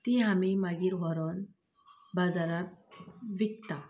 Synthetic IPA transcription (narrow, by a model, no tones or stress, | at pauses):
t̪iɦamimaɡiːɾʋɔɾɔn | bad͡zaɾat̪ʋikt̪a